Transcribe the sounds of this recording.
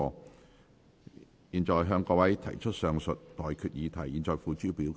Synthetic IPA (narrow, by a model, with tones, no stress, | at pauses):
ɔː˧ | jiː˨˩nt͡ʃɔː˨jɦœː˧ŋkɔː˧wɐ˨˥jt̪ʰɐ˨˩jt͡ʃʰɵ˥t̚sœː˨˧ŋsɵ˨t̚t̪ɔː˨jkʰyː˨t̚jiː˨˧t̪ʰɐ˨˩jiː˨˩nt͡sɔː˨˩jfuː˨t͡ʃyː˥piː˨˥w